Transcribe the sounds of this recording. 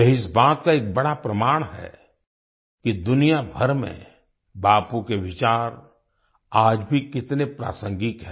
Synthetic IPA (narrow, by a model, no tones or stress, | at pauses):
jɛɦɪsbaːt̪kaeːk̚bɐɽapɾɐmaːɽ̃ɦɛ̰ | kid̪ʊnijabʱɐɾmḛ̃ | baːpukeʋɪt͡ʃaːɾ | aːd͡ʒbʱikɪt̪nepɾa̰ːsə̃ŋɡɪkɦɛ